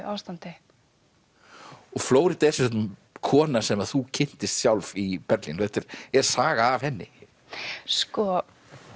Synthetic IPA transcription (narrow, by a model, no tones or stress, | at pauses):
ʔawst̪ant̪ɪ | ɔɣfloːwɾɪt̪aɛsœt̪nmkʰɔːnasɛmaðθucʰɪn̥t̪ɪst̪sjawlvipɛɾt̪lḭnɔθɛht̪ɛɾ̥ɛɾ̥saːɣaːv̥hɛnːɪ̰ | skɔ